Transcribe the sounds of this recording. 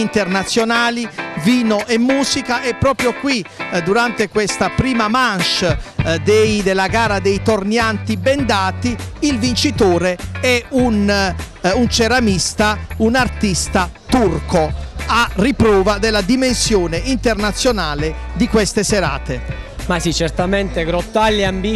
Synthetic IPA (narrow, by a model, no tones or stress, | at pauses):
int̪ernat̪sːjonaːliviːnoʔɛmːuːsikaʔɛpːɾɔːpɾjokwid̪uɾant̪ekwɛst̪apɾiːmamanʃd̪ejd̪elːaɡaːɾad̪ejt̪ornjant̪ibɛnd̪aːt̪iːlvint͡ʃit̪oːɾeɛun | unt͡ʃɛɾamist̪aunart̪ist̪at̪urkoarːipɾɔːvad̪elːad̪imensjɔːneʔint̪ernat̪sːjonaːle | d̪ikwɛst̪eseɾa̰ːt̪emasit͡ʃɛɾt̪amɛnt̪eɡɾɔt̪ːalːambi